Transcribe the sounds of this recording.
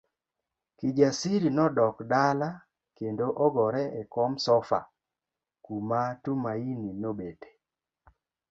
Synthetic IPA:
kid͡ʒasiɾinɔdɔkdala | kendoʔɔɡɔɾɛɛkɔmsɔfa̰ | kumatumaininobete̥

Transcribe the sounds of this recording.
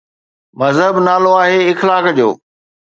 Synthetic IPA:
mɐzɦəbnaːloaːɦeɪxlaːkd͡ʑo̰ː

